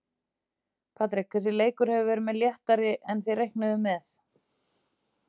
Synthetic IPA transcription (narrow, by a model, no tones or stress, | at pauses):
pʰaːt̪ɾɪk̚θɛsɪleːjkʏɾ̥hɛvʏvɛːɾʏmɛðljɛht̪aɾɪʔɛnθejrejhknaðʏmɛθ